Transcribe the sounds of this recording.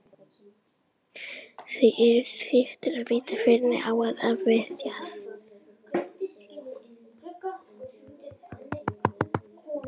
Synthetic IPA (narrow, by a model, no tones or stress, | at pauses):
θejʔɪɾɾθɪft̪ɪɾaðviːt̪afɪɾnɪ̰ʔawaðavvɛɾðjas